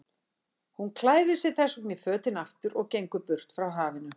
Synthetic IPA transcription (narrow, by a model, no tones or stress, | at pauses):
hunkʰlaːjðɪsɪ̥θɛsɔknɪfœːt̪ɪnaft̪ʏɾɔɣcejŋkʏpʏr̥t̪fɾawɦaːvɪnʏ